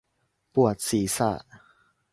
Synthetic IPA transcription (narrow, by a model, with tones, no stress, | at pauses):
pu˦a˨t͡si˧sa̰˦˧˨